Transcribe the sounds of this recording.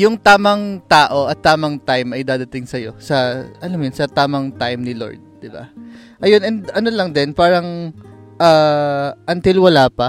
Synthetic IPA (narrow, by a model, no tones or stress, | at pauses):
jʊŋt̪aːmɐŋt̪aːʔo̞ʔɐt̪ːaːmɐŋt̪ajmʔɐjd̪aːd̪ɐt̪ɪŋsɐjo̞sɐʔɐlamjʊnsɐt̪aːmɐŋt̪ajmnɪlo̰ɹd̪̚d̪ɪba̰ | ʔɐjo̞nɛnd̪ɐno̞lɐŋd̪ɛnpaːɾɐŋʔaːʔɐnt̪ilwɐlaːpɐ